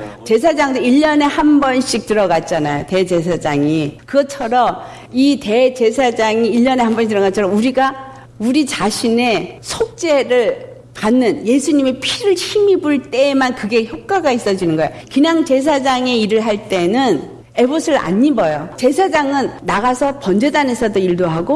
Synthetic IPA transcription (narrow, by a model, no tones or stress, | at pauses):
t͡ɕe̞s̬ʰad͡ʑaŋdeiʎːʌne̞hambʌnɕ͈ik̚tɯɾʌɡat̚t͡ɕ͈anajote̞d͡ʑe̞s̬ʰad͡ʑaŋikɯɡʌt͡ɕʰʌɾʌm | ite̞t͡ɕe̞s̬ʰad͡ʑaŋiːʎːʌne̞ɦambʌnɕiktɯɾʌɡat͡ɕʰʌɾʌmuɾiɡa | uɾit͡ɕaɕʰine̞sʰok̚t͡ɕ͈e̞ɾɯɭ | kanːɯnje̞sʰuɲime̞pʰiɾɯɭɕimibuɭt͈e̞mankɯɡe̞çjʌp̚k͈aɡais͈ʌd͡ʑinɯnɡʌejokɯɲaŋt͡ɕe̞s̬ʰad͡ʑaŋe̞iɾɯɭɦaɭt͈e̞nɯn | e̞bosʰɯɾa̰ɲːibʌjot͡ɕe̞sʰad͡ʑaŋɯnːaɣasʰʌpʌnd͡ʑe̞dane̞sʰʌdoiɭdoɦaɡo